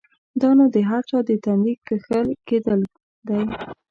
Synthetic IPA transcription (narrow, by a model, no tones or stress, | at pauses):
d̪ɑnod̪əɦaɾt͡ʃɑd̪ət̪and̪ikːəxəlked̪əl | d̪aj